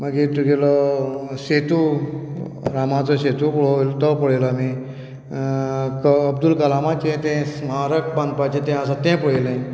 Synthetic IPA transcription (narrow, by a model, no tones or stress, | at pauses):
məɡit̪uɡelɔset̪u | ɾamat͡sɔɕet̪upot̪əpəɽelami | kːbd̪ulkəlamat͡ɕẽt̪ẽsmaɾəkbãnd̪̚pat͡ɕẽt̪ɛ̃əsãt̪ẽpəɽelẽ